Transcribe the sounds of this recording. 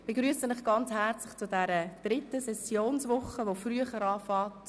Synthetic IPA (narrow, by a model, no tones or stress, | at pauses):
b̥eɡɾyːəsənɪχɡ̥ɑnt͡shɛɾt͡slɪχt͡sʊdɛɾəd̥ɾɪtəsɛsjoːnsʋʊχəʋofryəχəɾɑːfɑːt